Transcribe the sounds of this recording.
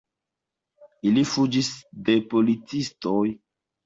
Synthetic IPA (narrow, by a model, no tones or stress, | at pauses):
ilifud͡ʒisde̞po̞lit͡sistoj